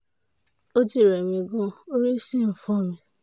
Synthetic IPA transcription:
o˦di˦˨ɾe˨mĩ˨ɡʊ˦o˦ɾi˦si˦m̩˨fɔ˦mĩ˦

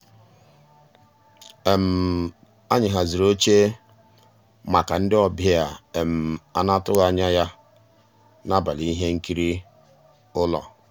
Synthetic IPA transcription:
e˨m̩˨ | a˦ɲɪ˨ɦa˨zi˨ɾo˦t͡ʃe˦ | ma˨ka˨n̩˦dɪ˦ɔ˨bja˦a˨e˨m̩˨a˦na˦tʊ˦ɣa˦ɲa˦ja˦ | na˦ba˨li˦ɦe˦ŋ̩˦ki˦ɾi˦ | ʊ˦lɔ̰˨

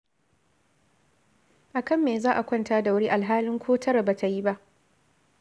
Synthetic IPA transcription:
ʔa˨kɐ˦mːeː˨zaː˦ʔa˨kʷɔ˦ntaː˦da˨wʊ˦ɽiː˦ʔa˨lɦaː˦lɪ˦ŋkʷʰoː˦tʰɐ˦ɾa˨ba˨tʰa˨ji˦ba˦ʔ

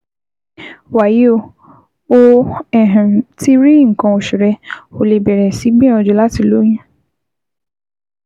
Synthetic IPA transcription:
wa˨ji˨˦o˦˧˨ | o˧ɛ˨ɦã˨ti˦ɾi˦ŋ̩˨kã˧o˨ʃu˨ɾɛ˧o˨˧le˨bɛ˨ɾɛ˨si˨˦ɡ͡bĩ˦ɔ̃˧d͡ʒu˧˦la˦ti˧˨lo˨˦j̃ĩ˦

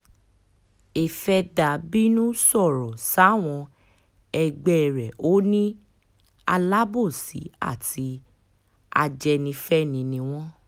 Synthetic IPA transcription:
e˨fɛ˧da˨bi˦nũ˦sɔ˦˨ɾɔ˨sa˨˦˨w̃ɔ̃˧ | ɛ˧ɡ͡bɛ˦˨ɾɛ˨o˦nĩ˦ | a˧la˦bo˦˨sḭ˨˦a̰˦˨ti˧˦ | a̰˧d͡ʒɛ˧nĩ˧fɛ˦nĩ˧nĩ˧w̃ɔ̃˦

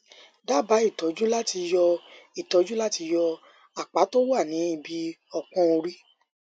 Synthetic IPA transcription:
da˦ba˨˦i˦˨tɔ˨˦d͡ʒu˦la˦ti˧jɔ˧i˨tɔ˨˦d͡ʒu˦la˦ti˧jɔ˧ | a˨k͡pa˨˦to˦wa˦˨nĩ˨˦i˦˧bi˧ɔ˨k͡pɔ̃˧o˧ɾi˦

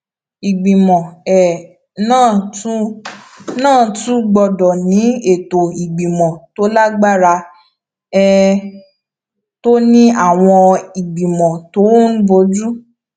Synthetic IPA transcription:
i˨ɡ͡bĩ˨mɔ̃˨ɛ˨ | nãː˦˨u˦ | nãː˦˨tũ˦ɡ͡bɔ˧dɔ˨nĩ˨˦e˦˨to˨i˨ɡ͡bĩ˨mɔ̃˨to˨˦la˦ɡ͡ba˦ɾa˧ | ɛ˦ | to˦nĩ˦a˦˨w̃ɔ̃˧i˨ɡ͡bi˨mɔ̃˨to˨˦ũ˦bo˧˦d͡ʒu˦

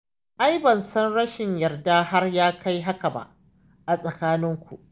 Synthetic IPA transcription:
ʔa˦jbɐ˨nsɐ˦nɽɐ˦ʃɪ˨ɲjɐ˨rdaː˦ha˦rjaː˦ka˦jɦa˦ka˨ba̰˦ʔ | ʔa˨sʼɐ˨kaː˦nɪ˦ŋkʷṵ˨ʔ

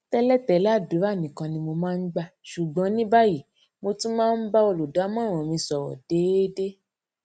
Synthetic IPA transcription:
tɛ˧lɛ˦˨tɛ˨˦la˦˨du˨˦a˦˨nĩ˨kã˧nĩ˧mo˧mãː˦˧n̩˦ɡ͡ba˦˨ʃu˨ɡ͡bɔ̃˨˦nĩ˦ba˦ji˦˨ | mo˧tĩ˦mãː˦˧n̩˦ba˦o˧lu˨da˨˦mã˦˨w̃ɔ̃˨mĩ˧sɔ˨wɔ̰˨d̥e˨˦de˦

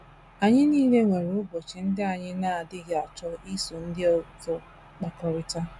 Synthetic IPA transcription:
a˨ɲɪ˦niː˦le˦ŋʷe˨ɾʊ˦bo˨t͡ʃɪ˨n̩˦dɪ˦a˨ɲɪ˦na˦a˨dɪ˦ɡe˨a˨t͡ʃɔ˦i˦so˨n̩˦dɪ˦ɔ˨zɔ˨ | k͡pa˨kɔ˨ɾɪ˨ta˦

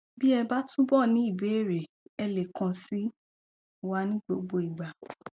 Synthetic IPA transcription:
bi˦ɛ˧ba˦tũ˦bɔ˦˨nĩ˨˦i˦˨be˨˦e˦˨ɾe˨ | ɛ˧le˨kã˧si˦ | wa˦nĩ˦ɡ͡bo˧˦ɡ͡bo˧˦i˨ɡ͡ba˨

